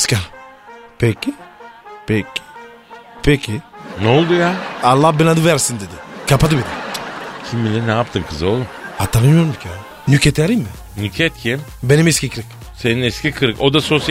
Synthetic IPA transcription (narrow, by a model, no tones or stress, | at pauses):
ska | pʰɛcːipʰɛcʰːi̥ | pʰecʰinolˠd̪ujaːalˠːahbinad̪ɯvæɾsind̪ed̪ɪkʰapʰad̪ɯbid̪ɛcʲʰimbilʲɛnɛap̚t̪ʰɯmkʰɯzolˠuhat̪ʰanɯmɯjoɾumd̪icʰa | nycʰɛt̪ʰaɾimmɪ | nycʰɛt̪ʰimbenimɛskʲcikʰɯɾɯk | seninɛscʲikʰɯɾɯko̞d̪aso̞s